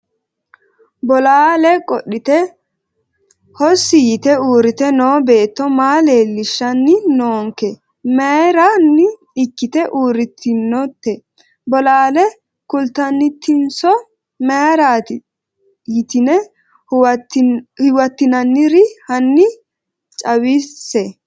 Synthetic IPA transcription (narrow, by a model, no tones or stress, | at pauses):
bɔlaːlɛkʼɔɗːɪt̪ɛ | hɔsːɪjɪt̪ɛuːɾɪt̪ɛno̞ːbe̞ːt̪ːɔmaːleːlːɪʃːɐnːɪnoːŋkɛ | mɛɾanːɪ | ɪkːɪt̪ɛʔuːɾɪt̪ʰːɪnːɔt̪ːɛ | bɔlaːlɛ | kʊlt̪ɐnːɪt̪ːɪnsɔ | meɾaːt̪ɪ | jɪt̪ɪnɛ | wtːhɪwɐt̪ːɪnɐnːɪɾɪhɐnːɪ | t͡ʃʼɐwɪsːɛ